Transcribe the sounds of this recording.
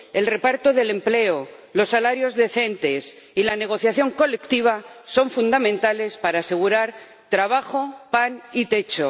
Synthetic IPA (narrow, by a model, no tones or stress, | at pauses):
e̞lre̞paɾt̪o̞ðe̞le̞mple̞o | lo̞sːalaɾjo̞zðe̞θe̞nt̪e̞s | ilane̞ɣ̞o̞θjaθjo̞ŋko̞le̞kt̪iβ̞aso̞ɱfund̪amẽnt̪ale̞spaɾaːse̞ɣ̞uɾaɾ | t̪ɾaβ̞axo̞panit̪e̞t͡ʃo̞